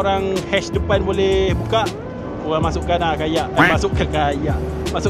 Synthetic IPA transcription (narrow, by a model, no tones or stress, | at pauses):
oɾaŋhɛsdəpanbolɛhbukaʔ | koɣaŋmasʊʔkanakajaʔamasʊʔkːəkajaʔ | masʊ